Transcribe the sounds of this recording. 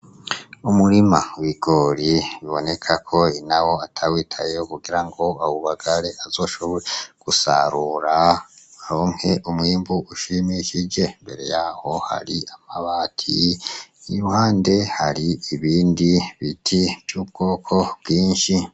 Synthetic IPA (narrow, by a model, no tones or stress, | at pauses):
umuɾimawiɡ̥o̞ɾiβiβo̞ne̞kʰakʰo̞inawo̞atʰawiːtʰajeokuɡiɾaŋɡo̞awuβaɡaɾe̞ʔazo̞ːʃo̞βoɾeɡ̥usa̰ɾuɾaɾo̞ːŋhe̞ʔumwiːmbuʔuʃimiʃid͡ʒe̞mbe̞̰ɾe̞̰jaho̞ha̰ɾiamaβaːtʰi | ijuhaːnde̞haɾiiβiːndiβitʰivjuːb̚ɡo̞ːkʰo̞bɡiːnʃi